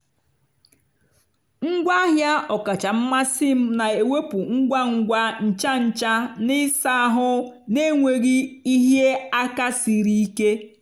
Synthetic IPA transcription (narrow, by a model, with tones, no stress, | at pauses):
ŋ̩˦ɡʷa˦ɦja˦ɔ˨ka˨t͡ʃa˨m̩˦ma˦si˦m̩˦na˨e˨we˦pu˨ŋ̩˦ɡʷa˦ŋ̩˦ɡʷa˦n̩˨t͡ʃa˦n̩˨t͡ʃa˦nɪ˦sa˦ɦʊ˦ne˦ŋʷe˨ɣi˦i˦ɦje˦a˦ka˦si˨ɾi˦i˦ke˦